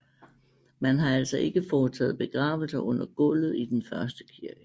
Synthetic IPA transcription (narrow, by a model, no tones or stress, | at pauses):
mænɦɑ̈æl̰sɒʔe̝ɡ̥əfɒːt͡sʰɛ̰ːð̩ˠb̥e̝ɡ̥ʁɑ̈ːʋl̩sɐʔɔ̽n̰ɐɡ̥ɔ̽l̰ð̞̩ˠid̥enfɶɐsd̥əkʰiɐɡ̥ə